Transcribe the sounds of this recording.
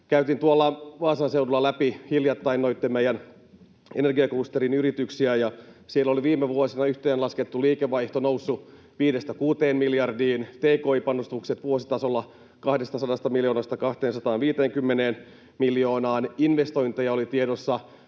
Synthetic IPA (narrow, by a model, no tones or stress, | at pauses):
kæyt̪int̪uolːɑʋɑːsɑnseudulːɑlæpihiljɑt̪ːɑinːoit̪ːemmejæn | ene̞rɡiɑkust̪eɾinyɾit̪yksiæjɑsielːoliʋiːmeʋuosinɑyht̪eːnlɑsket̪ːuliːkeʋɑiht̪onowsːu | ʋiːdest̪ækuːt̪eːnmiljɑrdiːnt̪eːkoipɑnost̪ukset̪ʋuosit̪ɑso̞lːɑ | kɑhdest̪ɑsɑdɑst̪ɑmiljo̞ːnɑst̪ɑkɑht̪eːnsɑt̪ɑːnʋiːt̪eːŋkymːeneːn | miljo̞ːnɑːninʋest̪o̞jnt̪ejɑolit̪iedosːɑ